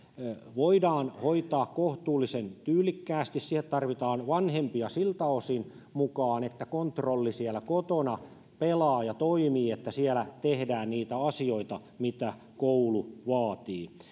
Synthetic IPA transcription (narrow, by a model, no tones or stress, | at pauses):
ʋoidɑːnhoit̪ɑːkkoht̪uːlːisent̪yːlˑikːæːst̪issihet̪t̪ɑrʋit̪ɑːnʋɑnhempiɑsilt̪ɑosin | mukɑːnet̪ːækont̪rolːisielækot̪onɑ | pelɑːjɑt̪oimiːet̪ːæsielæt̪ehdæːnniːt̪æɑsioit̪ɑ | mit̪æ | kouluʋɑːt̪iː